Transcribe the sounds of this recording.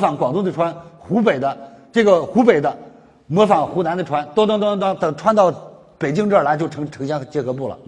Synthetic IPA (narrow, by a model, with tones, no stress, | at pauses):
fɑ˧˩ŋkwɑ˨˩ŋt̪ʊ˥˧ŋd̪ə˨ʈ͡ʂʰwa˥nxu˧˥p̬e˨˩ɪd̪ə˦ʈ͡ʂɤ˥˩ɡə˩xu˧˥pe˨˩ɪd̪ə˦ | mɤ˧˥fɑ˨˩ŋxu˧˥na˧˥nd̪ə˧ʈ͡ʂʰwa˥nt̪t̪t̪t̪t̪ə˨˩ʈ͡ʂʰwa˥nt̪ɑ˥˩ʊ | pe˨˩ɪt͡ɕi˥˧ŋʈ͡ʂɤ˞˥˩˥la˧˥ɪt͡ɕo˥˩ʊʈ͡ʂʰɤ˧˥ŋʈ͡ʂʰɤ˧˥ŋɕjɑ˥ŋ˥t͡ɕjɛ˧˥xɤ˧˥p̬u˥˩lə̰˩